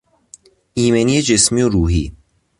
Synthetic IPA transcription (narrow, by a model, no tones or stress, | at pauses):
iːmenijed͡ʒesmijoɾuːɦiː